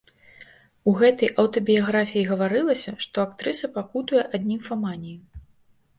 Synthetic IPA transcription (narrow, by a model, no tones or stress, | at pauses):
uɣɛt̪ɐjʔɐwt̪ɔbʲijaɣɾafʲijiɣɐvaɾɨlˠɐsʲɐʂt̪ɔakt̪ɾɨsɐpakut̪ujɛʔad̪ʲnʲimfamanʲiji